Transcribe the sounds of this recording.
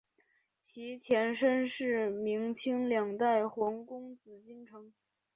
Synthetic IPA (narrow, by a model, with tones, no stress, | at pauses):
t͡ɕʰi˧˥t̪ʰjɛ˧˥nʂə˥nʂɻ̩˥˩mi˧˥ŋt͡ɕʰi˥ŋljɑ˨˩ŋt̪a˥˩ɪxwɑ˧˥ŋkʊ˥ŋt͡sɹ̩˨˩t͡ɕi˥˩ŋʈ͡ʂʰɤ˧˥ŋ